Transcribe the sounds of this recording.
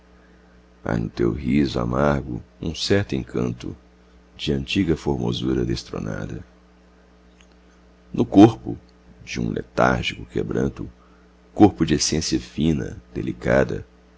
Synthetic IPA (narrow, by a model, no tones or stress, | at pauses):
a̰nʊt̪ewhizʊa̰maɾɡʊũsɛɾt̪ʊẽŋkʰɐ̃nt̪ʊ | d͡ʒɪɐ̃nt͡ʃiɡɐfoɾmozuɾɐd̪est̪ɾo̰na̰d̪ɐ | nʊkoɾpʊ | d͡ʒɪũlʔet̪aɾʒikʊkebɾɐ̃nt̪ʊ | koɾpʊd͡ʒɪesẽsiɐfĩnɐ̰d̪elikad̪ɐ